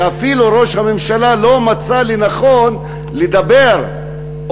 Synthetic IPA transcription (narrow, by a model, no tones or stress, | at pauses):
afiluɾo̞ʃhame̞mʃalalo̞mat͡salinaχo̞n | led̪abe̞ɾ